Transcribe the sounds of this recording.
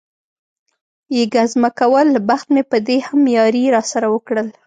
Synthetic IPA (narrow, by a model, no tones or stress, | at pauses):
jeɡazmakawəlbaxt̪mepəd̪ehamjɑɾiɾɑsaɾawəkɽəl